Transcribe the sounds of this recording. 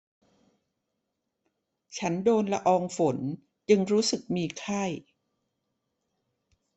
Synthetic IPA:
t͡ɕʰa˦˥ndoː˧nla˧ʔɔː˧ŋfo˩˦n | t͡ɕɯ˧ŋɾuː˦˥sɯ˨˩k̚miː˧kʰa˥˩j

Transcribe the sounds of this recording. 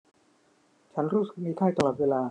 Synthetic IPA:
t͡ɕʰa˦˥nɾuː˦˥sɯ˨˩k̚miː˧kʰaː˥˩jt̪a˧lɔː˨˩t̪̚weː˧laː˧

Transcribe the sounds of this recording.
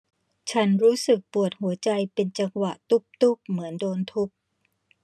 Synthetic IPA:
t͡ɕʰa˦˥nɾuː˦˥sɯ˨˩k̚pu˨˩ət̪̚hu˩˦ɐt͡ɕa˧jpe˧nt͡ɕa˧ŋwa˨˩ʔt̪u˦˥˩p̚t̪u˦˥˩p̚mɯ˩˦əndoː˧nt̪ʰu˦˥p̚

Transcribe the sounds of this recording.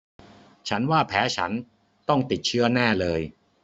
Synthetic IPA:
t͡ɕʰa˦˥nwaː˥˩pʰɛː˦˥t͡ɕʰa̰˦˥n | t̪ɔ˥˩ŋt̪i˨˩t̪̚t͡ɕʰɯ˦˥˩ɐnaː˥˩lɤː˧j

